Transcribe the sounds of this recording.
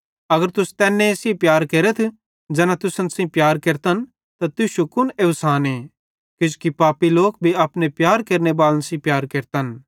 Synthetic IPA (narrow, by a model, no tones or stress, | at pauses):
ɐɡəɾt̪ʊst̪ɛːnːẽsĩpjaːɾkeːɾət̪ʰ | d͡ʒɛːnãt̪ʊsənsĩpjaːɾkeːɾt̪ən | t̪at̪ʊʃukʊneʋsaːnẽː | kɪd͡ʒkipaːpiloːk̚bʱiapnepjaːɾkeːɾnebaːlənsĩpjaːɾkeːɾt̪ən